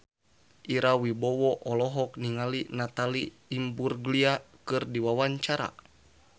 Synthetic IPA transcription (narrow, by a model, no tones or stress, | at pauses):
ʔiɾawibɔwɔʔɔlɔɦɔk̚niŋalinat̪aliː | mburɡliakɨrdiwawaɲt͡ʃaɾa̰